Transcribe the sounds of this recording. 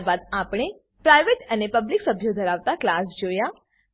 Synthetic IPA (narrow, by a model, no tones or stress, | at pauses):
bad̪̚apɽ̃e | pɾajʋeʈənepəbliksəbʱjod̪ʱəɾaʋt̪aklasd͡ʒoja